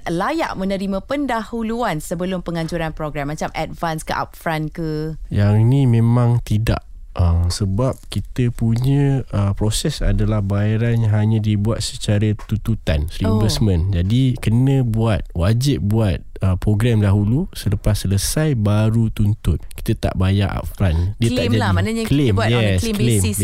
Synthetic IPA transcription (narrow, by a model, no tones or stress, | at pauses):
laja̰ʔmə̃nə̃ɾimə̃pəndahuluansəbəlʊmpəŋaɲt͡ʃuɾanpɾoɡɾamːat͡ʃamad̚vanskəʔa̰p̚fɾankəjaŋinĩmẽmãŋt̪ida̰ʔ | əmsəbap̚kit̪əpuɲə̃əpɾosɛsa̰dalahbaaɾanjãɦaɲə̃dibuat̪̚sət͡ʃaɾat̪ut̪ut̪ansinvɛssmə̃nd͡ʒadikənə̃buat̪̚wad͡ʒɪp̚buat̪̚əpɾoɡɾamdaɦulusələpasːələsajbaɾut̪unt̪ʊt̪̚ki̥t̪ət̪a̰ʔbajaʔa̰p̚fɾandiət̪ad͡ʒamanaɲaklmbajɛslkblem